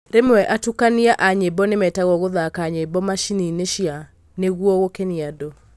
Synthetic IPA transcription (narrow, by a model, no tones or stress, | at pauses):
ɾemɛʔatukaniaʔaɲebɔnemɛtaɣɔɣoðakaɲebɔmaʃinineʃia | neɣwɔɣokɛniado